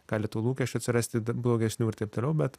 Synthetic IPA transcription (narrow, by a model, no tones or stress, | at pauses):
ɡ̥ɑːlʲɪt̪uːlˠuːkʲɛʃt͡ʃʲʊɐt̪sʲɪɾɑːsʲt̪ʲɪblˠoːɡʲɛsʲnʲuːɪɾt̪eɪpt̪oːlʲɛʊbʲɛt̪